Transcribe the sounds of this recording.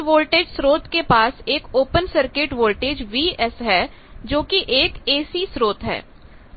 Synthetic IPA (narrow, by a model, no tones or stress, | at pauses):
ʋoːlʈeːd͡ʒsɾoːt̪kepaːseːkoːpənsəɾkɪʈʋoːlʈeːd͡ʒʋiːɛsɦɛː | d͡ʒoːkiʔeːkeːsisɾoːt̪ɦɛ̰ː